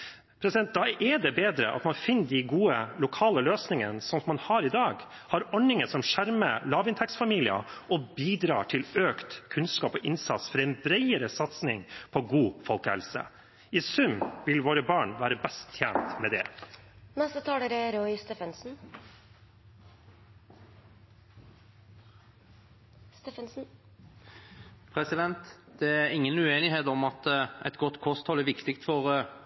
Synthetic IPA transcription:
pʰɾɛsɪd̪ɛnt̪̚d̪ɑʔɛɖɛbeːd̪ɾə̰ʔɑ̰t̪mɑnfɪnːd̪ɪɡuːəlʊkʰɑːləløːsnɪŋə̰nsɔmsɔmɑnhɑːɾɪd̪ɑːɡ | hɑɾɔɳɪŋəsɔmʂæɾməlɑːʋɪnt̪ʰɛksfɑmiːlɪə̰ʔɔbiːd̪ɾɑ̰ːʈʰɪløːkt̪kʰʉnskɑːpɔʔɪnsɑ̰t̪sfɔɾɛɪnbɾɛɪəɾəsɑt̪snɪŋpʰɔɡuːfɔlkəhɛ̰lsə̰ | ɪsʉmʋɪlʋoːɾəbɑːɳʋæːɾəbɛst̪ʰjæːnt̪mɛd̪ɛ̰ | nɛst̪ət̪ʰɑːləɾɛɾɔɪst̪ɛːfənsn̩ | st̪ɛfənsn̩ | pʰɾɛsɪd̪ɛnt̪d̪̥ɛæɾɪŋːənʉeːnɪɦeːt̪ɔmɑt̪ʔɛ̰t̪ɡɔt̪ːkʰɔst̪hɔlæɾʋɪkt̪ɪkt̪fɔɾ

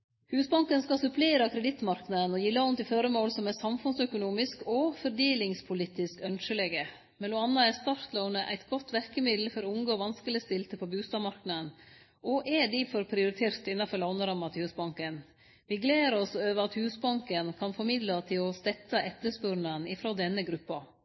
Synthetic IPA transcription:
hʉːsbɑŋkənskɑsʉpleːɾɑkʰɾɛd̪ɪt̪ːmɑɾknɑd̪ənɔjilːɑɔnt̪ɪføːɾəmoːlsɔmɛsɑmfʉnsœkʊnuːmɪskɔfɔɾɖ̪eːlɪŋspʰʊlɪt̪ɪskœnʃəleːɡə | mɛluːɑnːɑæst̪ɑɾt̪ləʊnəʔæ̰ɪt̪ɡɔt̪ːʋæɾkəmɪd̪l̩fɔɾɔʊmɡoːʋɑnskəlɪst̪ɪlt̪əpʰɔbʉːst̪ɑːmɑɾknɑd̪ən | ʔɔʔɛd̪ɪfɔɾpʰɾɪʊɾɪt̪ʰeːɾt̪ɪnːɑfɔɾɭɑʊnəɾɑmːɑt̪ʰɪhʉːsbɑŋkən | ʋɪɡleːɾɔsɔøːʋəɑt̪hʉːsbɑŋkənkʰɑnfɔɾmɪd̪lɑt̪ʰɪlɔst̪ɛt̪ːɑʔɛt̪ːəspœɾnənɪfɾoːd̪ɛnːəɡɾʉpːɑ

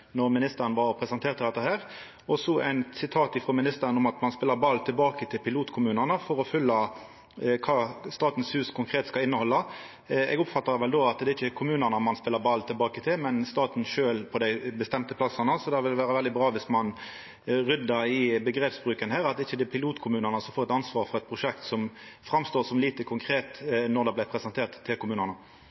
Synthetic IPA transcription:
nɔʁmɪnɪst̪əɾənʋɑɾpʰɾɛsənt̪ʰeːt̪ʰːɪld̪ɛt̪ːəɦæːʁ | ɔsɔʔæɪnsɪt̪ʰɑːt̪ɪfɾoːmɪnɪst̪əɾənʊmɑt̪mɑnspɪlːəbɑlːt̪ʰɪlbɑːkət̪ʰɪlpʰɪluːt̪kʰʊmʉːnənəfɔɾɔfʏlːə | kʰɑːst̪ɑːt̪n̩shʉːskʰʊŋkʰɾeːt̪skɑlɪnːəhɔlːə | ɛ̰ɡʊpfɑt̪ːəʋɛld̪oːɑt̪d̪ɛːɾɪçːəkʰʊmʉːnənəmɑnspɪlːəbɑlt̪ʰɪlbɑːkət̪ʰɪlmɛnst̪ɑːt̪n̩ʃøːlpʰɔd̪æɪbəst̪ɛmt̪əpʰlɑsənəsɔd̪ɛʋɪlʋæːʁəʋɛld̪ɪbʁɑːʋɪsmɑn | ʁʏd̪ːəɾɪbəɡɾeːpsbʁʉːkənhæːʁɑt̪dɪçːəd̪ɛpʰɪluːt̪kʰʊmʉːnənəsɔmfoːʁɛt̪ɑnsʋɑːʁfɔʁɛt̪̚pʰɾʊʂɛkt̪sɔmfʁɑmst̪oːsɔmliːt̪əkʰʊŋkʰʁeːt̪nɔʁd̪ɛblæɪpʰʁɛsənt̪ʰeːʁt̪ʰːɪlkʰʊmʉːnəʁnə

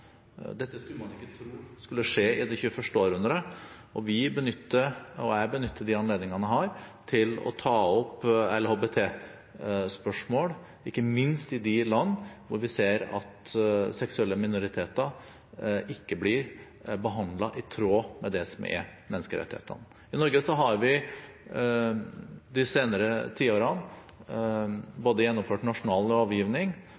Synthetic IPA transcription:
d̪ɛt̪ːəskʉlmɑnɪkːət̪ʰɾuːskʉlːəʂeːɪd̪ɛçʉːəfœʂʈəoːɾʉnd̪ɾə | ɔʋɪbənʏt̪ːəɔæbənʏt̪ʰːəd̪ɪɑnleːd̪nɪŋɑnəɦɑːɾt̪ʰɪlɔ̰t̪ʰɑːɔpɛlhoːbet̪ʰeː | spœʂmoːl | ɪkːəmɪnst̪ɪd̪ɪlɑnːʋʊɾʋɪseːɾɑ̰t̪sɛksʉɛlːəmɪnʊɾɪt̪ʰeːt̪ə | ʔɪkːəblɪɾ | bəɦɑnd̪lɑʔɪt̪ʰɾoːmɛd̪ɛsɔmɛ̰mɛnəskəɾɛ̰t̪ːɪhḛːt̪ʰə̰n | ɪnɔɾɡəsɔɦɑɾʋɪ | d̪ɪseːnəɾət̪ʰiːoːɾɑn | boːd̪əjɛnːɔmføːʈnɑʂʊnɑːlɾɑːʋjiːʋnɪŋ

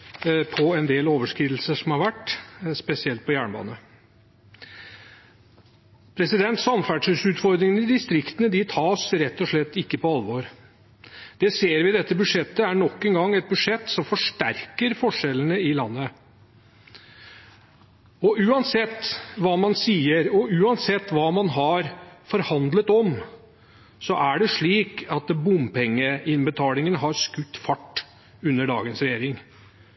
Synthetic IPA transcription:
pʰɔɛnd̪eːloːʋəʂkɾiːd̪l̩səʂɔmhɑɾʋæʈːspɛsɪɛlt̪̚pʰɔjæːɳəbɑ̰ːnə | pʰɾɛsɪd̪ɛnt̪sɑmfæːɖʂʉsʉːt̪fɔɾd̪ɾɪŋənɪd̪ɪst̪ɾɪkt̪ənəd̪ɪt̪ʰɑːsɾɛt̪ːɔʂɭɛt̪ːɪkːəpɔɑlʋoɾ | d̪̥ɛseːɾʋɪd̪ɛt̪ːəbʉʂɛt̪ːəæɳɔkːɛŋɡɑŋːɛt̪̚bʉd̪ʂɛt̪ːsɔmfɔʂʈæɾkəɾfɔʂɛlənəɪlɑnːə | ɔʔʉːɑnsɛt̪ːʋɑːmɑnsiːəɾɔʉːɑnsɛt̪ːʋɑːmɑnɦɑɾfɔɾhɑnd̪lət̪ɔm | sɔʔæɖɛʂɭiːkɑt̪bʊmpʰɛŋːəɪnbət̪ʰɑːlɪŋənɦɑɾskʉt̪ːfɑʈː | ʉnːəɖɑ̰ːɡənsɾɛjeːɾɪŋ

